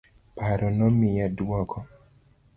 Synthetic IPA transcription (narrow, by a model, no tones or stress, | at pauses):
paɾɔnɔmijadwɔkʰɔ